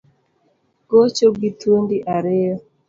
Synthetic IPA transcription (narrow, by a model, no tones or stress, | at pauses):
kot͡ʃoɡitundɪʔaɾɪjɔ